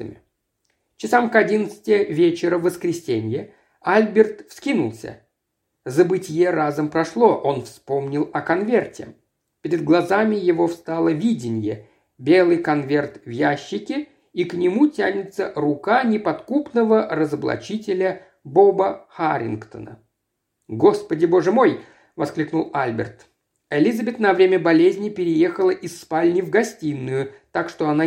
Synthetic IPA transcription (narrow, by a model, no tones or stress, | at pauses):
ə̰mʲɪ | t͡ɕɪsamkɐdʲinət̪sɨ̥tʲɪjəvʲet͡ɕɪɾəvəskɾʲɪsʲenʲjə | alʲbʲɪrt̪fskʲinʊlˠsʲə̰ | zəbɨtʲɪjeɾazəmpɾɐʂlˠo̞ʔo̞nfspo̞mnʲɪlˠɐkɐnvʲe̞rtʲɪ̰ | pʲɪɾʲɪd̪̚ɡlˠɐzamʲɪjɪvo̞fst̪alˠəvʲidʲɪnʲjə | bʲe̞lˠɨjkɐnvʲe̞rt̪vjæɕːɪkʲɪ | iknʲɪmutʲanʲɪt̪sərʊkanʲɪpɐt̪kupnəvərəzəblˠɐ̰t͡ɕitʲɪlʲə | bo̞bəxaɾʲɪ̰nkt̪ə̰nə̰ | ɡo̞spədʲɪbo̞ʐɨmo̞j | vɐsklʲiknʊlˠalʲbʲɪ̰rt̪ | ɪlʲizɐbʲɪt̪nɐvɾʲemʲəbɐlʲezʲnʲɪpʲɪɾʲɪje̞xəlˠəʔisːpalʲnʲɪvɡɐsʲtʲinːʊjʊt̪akʂt̪oɐna